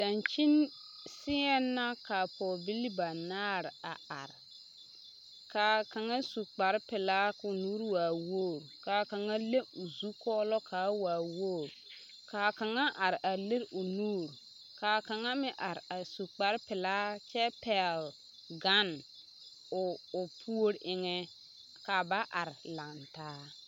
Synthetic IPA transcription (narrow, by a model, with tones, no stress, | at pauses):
d̥a˨nt͡ʃi˦n | sɪ˦ɛ˦nːa˦ka˨pʰɔ˨bi˦li˦ba˨naː˦ɾɪ˨a˨a̰˨ɾɪ˨ | kaː˨ka˨ŋa˦su˨k͡pa˨ɾpɪ˨laː˦ʊ˨nuː˦ɾwaː˨wo˦˨ɾkaː˨ka˨ŋa˦le˦ʊ˨zu˦kɔː˦lɔ˦kʰaː˨˦waː˨woː˦˨ɾ | kaː˨ka˨ŋa˦ʔa˨ɾa˨le˦ɾʊ˨nuː˦˨ɾ | kaː˨ka˨ŋa˦mɪ˦ʔa˨ɾa˨su˨k͡pa˨˦ɾpɪ˨laː˦t͡ʃɛ˦pɛ˨l | ɡa˦n | ʊ˨ʊ˨pʰu˦o˦ɾʔɪ˦ŋɛ˦ | ka˨ba˦ʔa˨ɾla˨ntaː˦